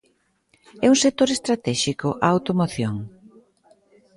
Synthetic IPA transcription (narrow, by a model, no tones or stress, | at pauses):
ɛuŋsek̚t̪oɾest̪ɾat̪ɛʃikʊʔaawt̪omoθjoŋ